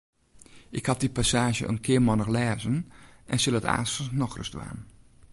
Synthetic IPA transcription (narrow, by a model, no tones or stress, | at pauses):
ʔɪkhat̚dipasaːʒjə̰ʔə̰nkʰɪəmɔnəxlɛːzənʔɛnsɪlˠəta̰ːstəsnɔxrə̰stʋa̰ːn